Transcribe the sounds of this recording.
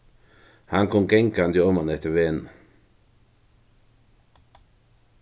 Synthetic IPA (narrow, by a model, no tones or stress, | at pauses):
haŋkʰɔŋɡɛŋkand̪ɪɔmanɛht̪əʋeːn